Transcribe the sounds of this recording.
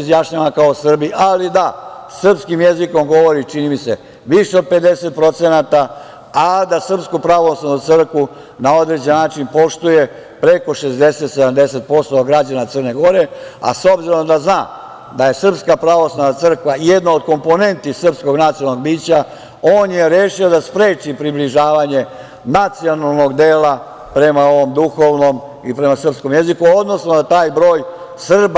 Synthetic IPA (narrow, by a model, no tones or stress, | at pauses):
izjaʃɲaʋakaosr̩biʔalid̪asr̩pskimjeziko̞mɡo̞ʋo̞ɾit͡ʃinimise̞ | ʋiʂeo̞d̪̚pe̞d̪e̞se̞t̪̚pɾo̞t̪senat̪a | ad̪asr̩pskupɾaʋoslanut̪sər̩kʋu | nao̞d̪ɾed͡ʑenːaːt͡ʃinpo̞ʃt̪uje̞ | pɾe̞ko̞ʃe̞zd̪e̞set̪se̞d̪amd̪e̞se̞t̪̚po̞st̪oɡɾad͡ʑanat̪sərne̞ɡo̞ɾe̞a̰so̞bziɾo̞md̪aznaː | d̪aje̞sr̩pskapɾaʋo̞slˠanat̪sr̩kʋaijed̪nood̪̚ko̞mpo̞ne̞nt̪isr̩psko̞ɡnat̪siolno̞ɡ̚biːt͡ɕa | o̞ːnje̞ɾeːʃio̞d̪aspɾe̞ːt͡ʃipɾibliʒaːʋaɲe̞ | nat̪sio̞nalˠno̞ɡd̪e̞ːla | pɾe̞mao̞ʋo̞md̪uxo̞ʋno̞m | ipɾe̞masr̩psko̞mje̞zikuod̪no̞snod̪at̪aːjbɾo̞ːj | sr̩b